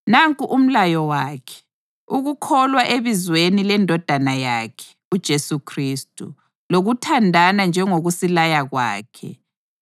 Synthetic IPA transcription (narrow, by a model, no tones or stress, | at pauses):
naŋkʼuʔum̩lajɔwaːkʰɛ̥ | uɣukʰɔlwaʔeβizwenilɛndʱɔd̥ʱanajaːkʰɛ̥ | ud̥ʒ̥ʱesukʰristʼṵ | loɣutʰandʱanand͡ʒʱɛŋoɣusilajaɣwa̰ːkʰɛ̰